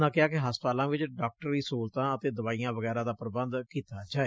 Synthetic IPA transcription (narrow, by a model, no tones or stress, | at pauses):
d̪ãːkɪaːkɪɦaspaːlãːʋɪt͡ʃɖaːk̚ʈəɾiːsoːlt̪ãːət̪eːd̪əʋaːijãːʋəɡɛːɾaːd̪aːpəɾbənd̪kiːt̪aːd͡ʒaːeː